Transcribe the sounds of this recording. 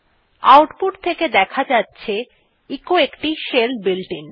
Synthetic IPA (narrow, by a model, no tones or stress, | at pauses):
a̰wʈpuʈt̪ʰeked̪ɛkʰad͡ʑatːɕʰe | ikoekʈiʃelbilʈin